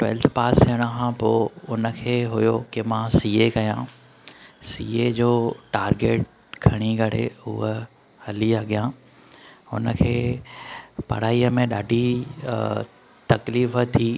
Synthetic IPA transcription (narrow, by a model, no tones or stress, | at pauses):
ʈwɛ̰ːlt̪ʰpaːseəɽ̃əkʰãpoʊnə̆kʰeːɦʊjokɪmãsiːekɐjã̰ː | siːed͡ʑoːʈaːɾɡeːʈ̚ | kʰɐɽ̃iɡʱɐɽ̤ḛʊ̰ɦə | hɐliəɠijãː | ʊ̰nəkʰeː | pɐ̰ɽ̤aːiəmẽɗaːɖʱi | t̪ɐkliːfət̪ʰiː